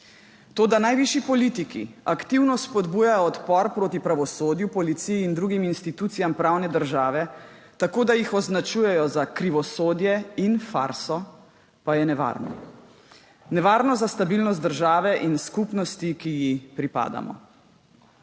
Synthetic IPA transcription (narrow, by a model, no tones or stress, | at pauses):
t̪oːd̪anajʋiʃipɔlit̪ikḭakt̪iwnɔspɔd̪buːjajɔːt̪pɔɾpɾoːt̪ipɾaʋɔsoːd̪jupɔlit̪sijiːnd̪ɾuɡiminst̪it̪uːt̪sijampɾawnɛd̪əɾʒaːʋɛ | t̪akoːd̪ajixɔznat͡ʃuːjɛjɔzakɾiʋɔsoːd̪jɛinfa̰ɾsɔ | pajɛnɛʋa̰ɾnɔ̰ | nɛʋaːɾnɔzast̪abilnɔs̬t̪̚d̪əɾʒaːʋɛʔinskupnɔst̪ikijixpɾipa̰ːd̪a̰mɔ̰